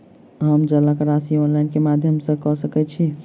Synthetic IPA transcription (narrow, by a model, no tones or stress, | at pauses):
ɦəmd͡ʒəlakɾasionlajnkemad̪ʱjəmsə̃kɔsəkɛt͡ʃʰi